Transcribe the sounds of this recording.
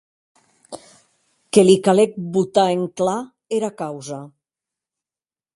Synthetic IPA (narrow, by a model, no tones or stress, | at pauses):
kelikalek̚but̪aeŋkla | eɾakawza